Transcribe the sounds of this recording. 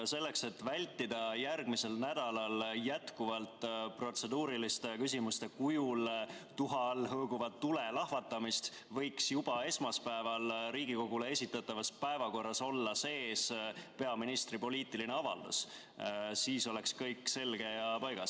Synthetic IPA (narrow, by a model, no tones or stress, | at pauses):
se̞lːe̞kse̞t̪ːvælʲt̪ːid̪̥ɑjærɡ̥mise̞lnæd̪̥ɑlɑljæt̪kuvɑlt̪ˑpro̞t̪se̞d̪uːɾilist̪ekysʲimust̪ekujult̪uɦɑlːɦɤːɡ̥uvɑt̪ːule̞lɑhvɑt̪ːˑɑmist̪ | vɤ̞jksjub̥ɑe̞smɑspæevɑlɾiːɡ̥iko̞ɡ̥ulee̞sʲit̪ːˑɑt̪ːˑɑvɑspæevɑko̞rːɑso̞lːɑse̞ːspe̞ɑminist̪ripo̞lʲiːt̪ːilineɑvɑ̰ld̪̥ṵs | siːso̞le̞kskɤjkːse̞lɡ̥e̞jɑpɑjɡ̥ɑs